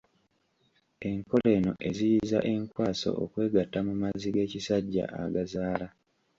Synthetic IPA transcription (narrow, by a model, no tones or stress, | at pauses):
e̞ŋko̞le̞ːno̞̰ʔe̞zijiza̰ʔe̞ŋkwaːso̞̰ʔo̰kwe̞ːɡatːamumaziɡe̞ːcisaɟːa̰ʔa̰ɡazaːla